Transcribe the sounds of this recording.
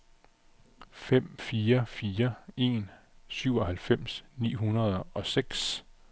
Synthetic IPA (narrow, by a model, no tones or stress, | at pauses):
fem̰fiːɐfiːɐe̝̰ːnsyʊɒ̽hælfem̰snḭːɦunɐð̞ˠɒ̽seɡ̥s